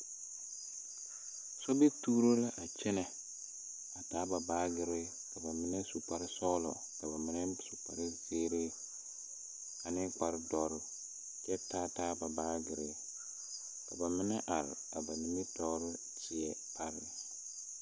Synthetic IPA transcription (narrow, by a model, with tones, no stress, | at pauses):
so˦be˦tuː˦ɾo˦la˦ʔa˨t͡ʃɪ˦nɛ˨ | a˨taː˦ba˨baː˦ɡɪ˨ɾɪ˦ | ka˨ba˨mɪ˦nɛ˦su˨k͡pa˦ɾɪ˦sɔː˦lɔ̰˨ | ka˨ba˨mɪ˦nɛ˦su˨k͡pa̰˨ɾɪ˦zeː˦ɾe˦ | a˨nɪ˦k͡pa˨ɾɪ˦dɔ˦ɾʊ˦ | t͡ʃɛ˦taː˦taː˦ba˨baː˦ɡɪ˨ɾɪ˦ | ka˨ba˨mɪ˦nɛ̰˦ʔa˨ɾɪ̰˨a˨ba˨ni˦ni˦tɔː˦ɾɪ˦ | tɪ˨ɛ˨pʰa˦ɾɪ˦˨